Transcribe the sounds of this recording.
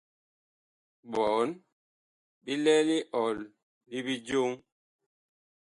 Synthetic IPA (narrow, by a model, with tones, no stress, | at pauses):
ɓɔ˨˦n | bi˦lɛ˦li˦ʔɔ˨lː | i˦bi˦d͡ʒo˦ŋ